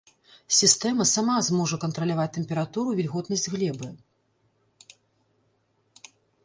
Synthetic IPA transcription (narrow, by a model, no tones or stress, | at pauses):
sʲist̪ɛmɐsamazmɔʐɐkɐnt̪ɾɐlʲavat͡sʲt̪ɛmʲpʲɛɾat̪uɾuvʲilʲɣɔt̪nɐsʲd͡zʲɣlʲɛbɨ